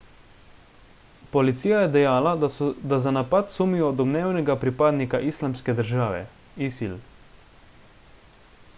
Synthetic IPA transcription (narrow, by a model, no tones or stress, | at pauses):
pɔlit̪siːjajɛd̪ɛjaːlad̪azanapat̪sumiɔd̪ɔbnɛːwnɛɡapɾipaːd̪nikaʔislamskɛd̪əɾʒaːʋɛ̰ | isil